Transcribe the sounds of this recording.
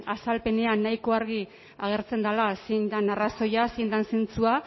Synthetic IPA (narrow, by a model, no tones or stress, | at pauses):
asalpe̞ne̞anːajko̞aɾɣ̞i | aɣ̞e̞ɾt͡se̞nd̪alasind̪anaraso̞jasind̪ansint͡sua